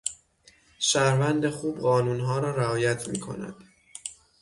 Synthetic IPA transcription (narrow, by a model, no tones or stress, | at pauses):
ʃæɾvænd̪exuːbɢɒːnuːnɦɒːɾɒːɾæɒːjæt̪ʰmḭːkʰo̰næ̰d̪̥